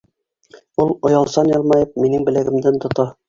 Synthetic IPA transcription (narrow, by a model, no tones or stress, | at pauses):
ulˠŏjɑlˠsɑnjɑlˠmɑjɤp̚minɘŋbɘ̆læɡɘ̆md̪ɘnt̪ŏt̪ɑ